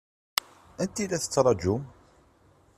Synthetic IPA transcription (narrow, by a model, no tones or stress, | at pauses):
ænt̪ilæθə̥t͡sːɾˤɑd͡ʒum